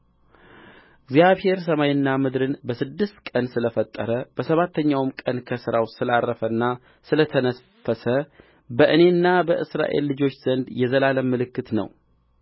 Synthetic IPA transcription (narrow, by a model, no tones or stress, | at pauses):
ɪɡzijaβhe̞ɾsəmajɪnːamɨd̪ɾɨnbəsɨd̪ːɨst̪kʼənsɨləfət̪ʼːə̰ɾəb̥əsəβat̪ʰːəɲːawmkʼənkʰəsɨɾawsɨlarːəfənːa | sɨlət̪ʰənə | fəsə | bəʔɨne̞ɨnːabəʔɨsɾa̰ʔe̞̰lːɨd͡ʒo̞t͡ʃːz̥ənd̪jɛzəlaləmːɨlɨkːɨt̪nə̰w